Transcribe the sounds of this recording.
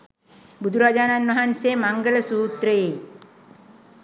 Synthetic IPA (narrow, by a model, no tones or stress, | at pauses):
bud̪ʱuɾaːd͡ʒaːnanʋaɦansemaŋɡələsuːt̪ɾəje